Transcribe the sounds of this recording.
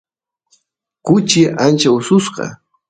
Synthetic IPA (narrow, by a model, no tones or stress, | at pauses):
kʊt͡ʃɪʔant͡ʃaʊsʊsqɑ̰